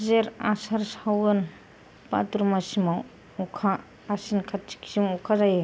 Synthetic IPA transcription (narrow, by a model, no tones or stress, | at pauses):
zeɾasaɾsawɯn | pa̰tuɾmasima | ɔkʰaː | sinkʰat͡ʃi̥ksimɔkʰazaje